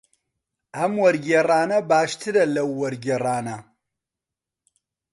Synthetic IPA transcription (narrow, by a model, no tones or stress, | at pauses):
amwɐɾɡʲɐraːnɐbaːʃtʰɨdɐlɐwːɐɾɡʲɐraːna